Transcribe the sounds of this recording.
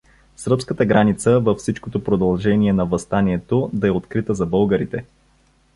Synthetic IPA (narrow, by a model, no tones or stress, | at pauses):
səɾpskət̪əɡɾanit̪səvəfsit͡ʃkot̪opɾod̪ɐlˠʒɛniɛnɐvəst̪aniɛt̪od̪ɐɛot̪kɾit̪əzɐbɤlˠɡəɾit̪ɛ